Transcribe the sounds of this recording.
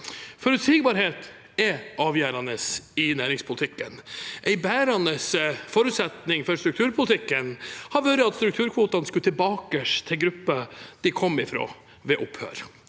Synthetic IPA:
fɔɾʉt̪sɪɡbɑːɾheːt̪ | ɛʔɑːʋjæːɾɑnəsɪnæːɾɪŋspʰʊlt̪ɪkːənʔɛɪbæːɾɑnəsfɔɾʉːt̪sɛt̪nɪŋfɔɾst̪ɾʉk̚t̪ʰʉːɾpʰʊlət̪ʰɪkːənhɑɾʋøːɾəɑt̪st̪ɾʉkt̪ʰʉːɾkʰʋuːt̪ɑnskʉt̪ʰɪbɑːkəʂt̪ʰɪlɡɾʉpːəd̪̥ɪkʰɔmːɪfɾo̰ː | ʋɛʔʊpʰhø̰ːɾ

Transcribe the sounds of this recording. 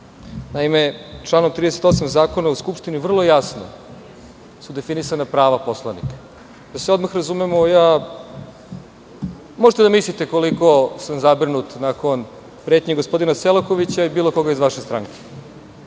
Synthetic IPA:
naimet͡ʃlˠaːno̞mt̪ɾid̪ese̞t̪o̞samzaːko̞nauskupʂt̪inivr̩lˠo̞jasno̰ | sud̪e̞finisanapɾaːʋaposlˠanḭkḁ | d̪aseo̞d̪maxɾazumemoja | moʒet̪ed̪amislit̪e̞ko̞liko̞samzabrnut̪nakon | pɾet̪ɲeɡo̞spo̞d̪inaselˠokoʋit͡ɕaibiːlˠo̞ko̞ɡaizʋaʃe̞st̪ɾa̰ŋkʰe̥

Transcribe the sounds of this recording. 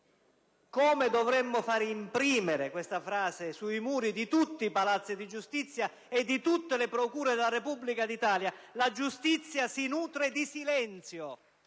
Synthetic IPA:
kɔːmɪd̪ɔvɾɛmːʊfaːɾimpɾiːmɪɾɪkwest̪afɾaːzɪsuimuːɾid̪it̪ut̪ːiːpalat̪sːid̪id͡ʒust̪it̪sːja | ed̪ːit̪ut̪ːelɪpɾɔkuːɾed̪elaɾepubːlikad̪it̪aːljalad͡ʒust̪it̪sːjasinuːt̪ɾed̪isilɛnt̪sjo

